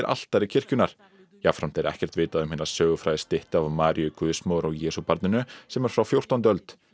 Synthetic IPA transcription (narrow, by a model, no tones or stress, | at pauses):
ɾʔa̰l̥t̪aɾɪcʰɪr̥cʏnaɾ̥ | jafɾam̥t̪ɛɾɛ̰hcɛr̥t̪vɪːt̪aðʏmhɪːnḁsœːɣʏfɾajɪst̪ɪht̪avmaːɾjʏkʰʏðʏsmɔːɾɔɣjɛːsupaɾt̪nɪnʏsɛmɛɾ̥fɾawfjowr̥t̪awnt̪œlt̪